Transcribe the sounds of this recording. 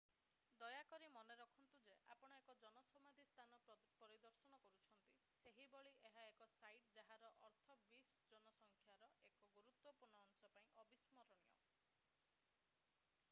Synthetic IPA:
d̪ɔjakɔɾimɔneɾɔkʰɔnt̪ud͡ʒea̰pɔɽ̃ɔekɔd͡ʒɔnɔsɔmad̪ʱist̪ʰanɔ | pɔɾid̪ɔɾsɔɽ̃ɔkɔɾut͡ʃʰɔnt̪i | seɦibɔɭiʔeɦaekɔsajʈ̚d͡ʒaɦaɾɔʔɔɾt̪ʰɔbisd͡ʒɔnɔsɔŋkʰjaɾɔʔekɔɡuɾut̪wɔpuɾɳɔːnsɔpaĩʔɔbismɔɾɔɽ̃ijɔ̰

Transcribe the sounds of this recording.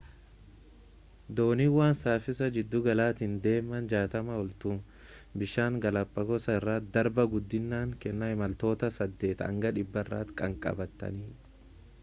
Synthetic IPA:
d̪o̞ːniwaːnsaːfɪsɐd͡ʒɪd̪ːʊɡɐlaːt̪ɪnd̪e̞ːmːɐnd͡ʒaːt̪ɐmɐɔlt̪uːn | bɪʃaːŋɡɐlɐpʼːɐɡɔsɐrːaːt̪̚d̪ɐɾbɐɡʊd̪ːɪnːaːŋkɛnːɐhɪmɐlt̪o̞ːt̪ɐsɐd̪ːe̞ːt̪ɐ̰ŋɡɐᶑ̪ɪbːɐɪrːa̰ːt̪kʼɐŋkʼɐ̰bɐt̪ːɐ̰niː

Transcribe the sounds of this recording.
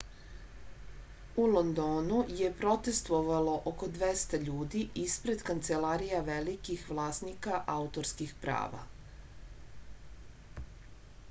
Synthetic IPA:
ulo̞nd̪o̞ːnuje̞pɾo̞t̪e̞st̪ʋo̞ʋalo̞ʔoko̞d̪ʋest̪aʎuːd̪iʔispɾe̞d̪kant̪se̞laːɾijaʋelikixʋlˠaːsnikaʔaut̪o̞ɾskixpɾa̰ːʋa̰

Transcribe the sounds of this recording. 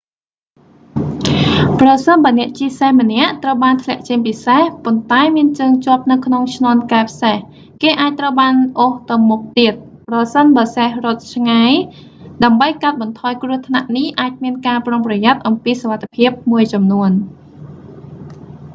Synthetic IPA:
prɑsənɓaənɛ̆əʔt͡ɕiəsehmənɛ̆əʔt̪rəwɓaːnt̪ʰlɛ̆əʔt͡ɕeŋpisehpont̪aɛmiənt͡ɕəːŋt͡ɕŏəp̚nɨwkʰnoŋt͡ɕʰnŏənkaɛpʰi̥seh | keːʔaːc̚t̪rəwɓaːnʔoht̪ɨwmʊk̚t̪iət̪̚ | prɑsənɓaəsehrŏət̪̚t͡ɕʰŋaj | ɗaəmɓəjkaət̪̚ɓɑnt̪ʰɑːjkrʊəht̪ʰnaʔnihʔaːc̚miənkaːpromprɑjat̪̚ʔɑmpiːsoʋat̪ʰːepʰiəp̚muəjt͡ɕɑmnuən

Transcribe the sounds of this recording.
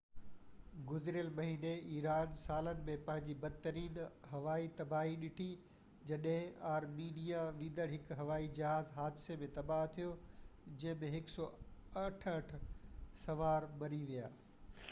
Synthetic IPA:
ɡʊzɪɾɪjəlmɐɦiːneiːɾaːnsaːlənɪ̆mẽpɐ̃ɦɪ̃ɲd͡ʑibɐd̪t̪əɾiːnɦɐʋaːit̪ɐbaːɦiɗɪʈʰi | d͡ʑɐɗɦɪ̃aːɾmiːnijaʋĩːd̪əɽɦɪkɦɐʋaːid͡ʑɐɦaːzɦaːd̪ɪsemẽt̪ɐbaːɦt̪ʰijod͡ʑɐ̃ɦɪ̃mẽɦɪksɔːɐʈʰɐʈʰsɐʋaːɾmɐɾiʋija̰ː

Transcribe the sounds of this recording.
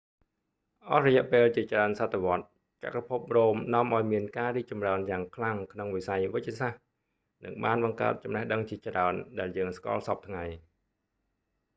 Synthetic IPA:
ʔɑhrɔjɛ̆əʔpeːlt͡ɕiət͡ɕraənsat̪ʰːeʋŏət̪̚ | t͡ɕa̰kapʰup̚roːmnŏəmʔaɔjmiənkaːriːk̚t͡ɕɑmraənjaːŋkʰlaŋkʰnoŋʋisajʋɨc̚t͡ɕsah | nɨ̰ŋɓaːnɓɑŋka̰ət̪̚t͡ɕɑmnəhɗəŋt͡ɕiət͡ɕraənɗaɛljəːŋska̰ːlsɑp̚t̪ʰŋaj

